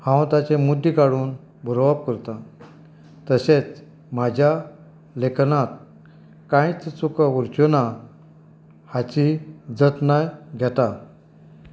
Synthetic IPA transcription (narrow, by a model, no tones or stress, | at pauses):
hãwt̪at͡ɕemud̪ːikaɽuːn | bʱəɾoʋab̚kəɾt̪a | t̪əɕet͡s | m̤ad͡ʑʱja | leknat̪̚ | kãjit͡st͡sukauɾt͡ɕona | hat͡ɕid͡zət̪najɡʱɛt̪a